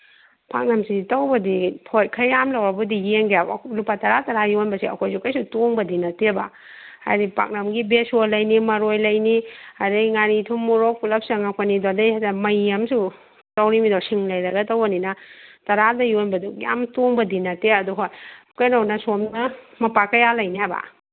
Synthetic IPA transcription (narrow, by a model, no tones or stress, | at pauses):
pʰa̰k̚nɐmsitawbɐdipʰojkʰɐjamlawɾɐbudijeŋɡja̰lupatɐɾatɐɾajonbɐsiɐ̰kʰojsukɐjsutoŋbɐdinɐteba | ha̰jdipa̰k̚nɐmɡibesolɐjnimɐɾojlɐjniaɾiŋaɾitʰuŋmːuɾok̚pulɐp̚sɐŋakʰanidodejajtamɐjɐmsu | tawɾimidasiŋlɐjlɐɡɐtawbaninɐtɐɾadɐjonbɐdukja̰mtoŋbɐdinɐteɐduɦojkajnownɐsomnɐ | mɐpakɐjalɐjniɦajba̰